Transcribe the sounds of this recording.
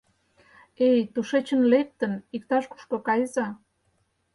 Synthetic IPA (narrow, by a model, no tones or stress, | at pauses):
ejt̪uʃet͡ɕənlek̚t̪ənik̚t̪ɑʃku̥ʃkokɑjzɑ